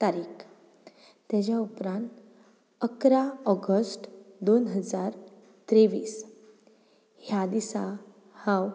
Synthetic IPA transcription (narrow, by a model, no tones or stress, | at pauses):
t̪aɾiːk | t̪ːjad͡ʑjaupɾãnt̪ | əkɾaɔɡəsʈd̪onɦəd͡zaɾ | t̪ɾeʋiːs | hjad̪isa | hãw